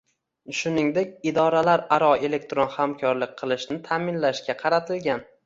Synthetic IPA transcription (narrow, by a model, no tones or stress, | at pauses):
ʃʊnɪŋd̪ekʲɪd̪ɒɾalaɾaɾɒe̞le̞k̚ʲt̪ɾonhamkʰɒɾlɪk̚ʲqʰɨlˠɪʃnɪt̪ʰaːmɪnlaʃkʲaqʰɑɾat̪ʰɪlɡʲan